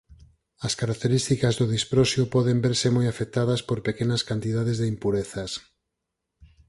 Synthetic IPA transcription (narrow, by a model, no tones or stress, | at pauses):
ɐskaɾak̚t̪eɾist̪ikɐzðʊðispɾɔsjʊpɔðembeɾsemojafek̚t̪aðɐspoɾpekenɐskant̪iðaðezðeimpuɾeθɐs